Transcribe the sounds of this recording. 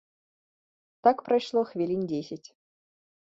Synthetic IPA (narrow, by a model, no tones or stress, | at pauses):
t̪ɑkprɐjʂlˠoxvʲelʲinʲdʲesʲɪtʲ